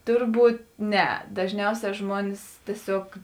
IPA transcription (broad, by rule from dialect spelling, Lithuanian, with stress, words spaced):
ˈtʊrˌbuːt ˈnʲɛ dɐʒʲˈnʲɛʊsʲɛː ˈʒmuɔnʲɪs tʲiɛˈsʲoːk